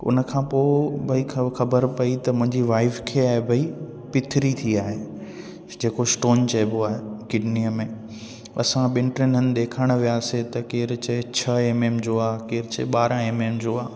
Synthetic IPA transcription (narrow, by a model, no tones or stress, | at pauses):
ʊ̰nəkʰãːpoːbʱɐixɐbəɾpɐit̪ɐmʊ̃ɦɪ̃ɲd͡ʑiʋaːɪfkʰeːaːɦebʱɐi | pɪt̪ʰɪɾit̪ʰiaːɦeː | d͡ʑeːkosʈoːnt͡ɕɐboaːɦekɪɖnijəmẽ | ɐ̰sãɓɪ̃ɳʈɾɪnənɪ̆ɗ̪eːkʰəɽ̃ə̆ʋijaːset̪ɐkeːɾt͡ɕet͡ɕʰɐeːmeːmd͡ʑoaːkeːɾɪt͡ɕḛɓaːɾãeːmeːmd͡ʑoːaː